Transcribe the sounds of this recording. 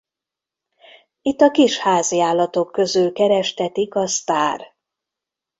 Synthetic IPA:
it̪ːɒkiʃhaːziaːlːɒt̪o̞kːøzylkɛɾɛʃt̪ɛt̪ikɒst̪aːr

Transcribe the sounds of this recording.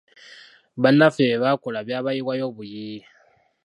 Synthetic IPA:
βanafeβakolaβjaβajiwajo̞βuji

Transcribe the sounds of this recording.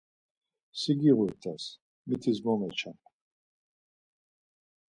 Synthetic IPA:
siɡiʁujt̪ʰʼas | mit̪ʰizmɔmɛt͡ʃʰam

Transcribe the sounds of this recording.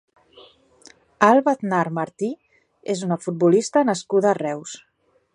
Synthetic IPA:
alˠβat̪naɾmaɾt̪i | ezunəfut̪̚bulist̪ənəskuðəːrɛws

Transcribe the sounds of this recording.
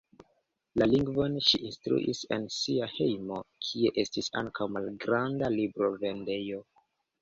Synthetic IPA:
laliŋɡvo̞nʃiʔinstɾṵʔḭse̞̰nsiahe̞jmo̞kʰie̞ʔe̞stisa̰ŋkawmalɡɾandalibɾo̞ve̞nde̞jo̞

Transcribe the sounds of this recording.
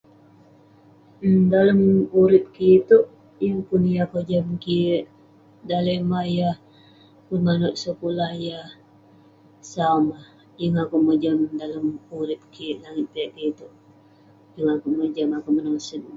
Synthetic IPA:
ədaləmuɾɪp̚kit̪uʔ | jəŋpʊnjakəd͡ʒəmkiʔ | dalemajah | pʊnmanʊʔ̪̚səkulahjah | samah | jəŋakuʔməd͡ʒəmdaləmuɾɪp̚kiʔlaŋɪt̪̚pijaʔkit̪uʔ | jəŋakuʔməd͡ʒəmakuʔmənaŋsən

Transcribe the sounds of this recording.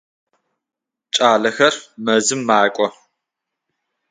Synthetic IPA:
t͡ʃʼaːɮɐxɐrmɐzɨmːaːkʷʼɔ

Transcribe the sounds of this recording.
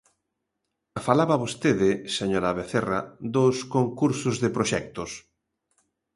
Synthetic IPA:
afalaβaβost̪eðɪseɲoɾaβeθera̰ðoskoŋkuɾsʊzðepɾoʃɛk̚t̪ʊs

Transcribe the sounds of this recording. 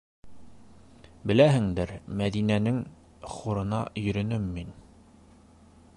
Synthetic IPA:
bɘ̆læɦɘŋd̪ɘɾmæðinænɘŋ | χuɾɤ̆nɑ̰jɵ̆ɾɵ̆nɵmːin

